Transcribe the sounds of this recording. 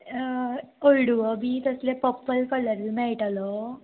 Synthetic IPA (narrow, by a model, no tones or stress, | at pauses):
olɽuʋəbiːt̪əslepəpːəlkələɾilmɛɭʈalɔ